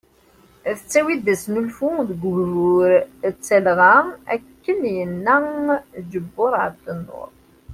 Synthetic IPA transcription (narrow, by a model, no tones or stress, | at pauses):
ðət͡sːæwid̪æsnulfuðəɡʷʊɾʊɾt͡sːælʁaæ̰kːənjənːæd͡ʒəbːʊɾˤəɾt̪ːənːʊ̰ɾˤ